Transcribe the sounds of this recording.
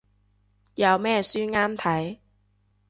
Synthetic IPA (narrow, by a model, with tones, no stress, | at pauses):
jɐ˨˧wmɛː˥syː˥ŋaː˥mt̪ʰɐ˨˥j